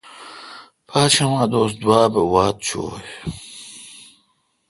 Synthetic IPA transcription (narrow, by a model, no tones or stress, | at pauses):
pʰaːt͡ɕɐwãːd̪oːsd̪waːbewaːt̪̚t͡ɕʰo̰ːj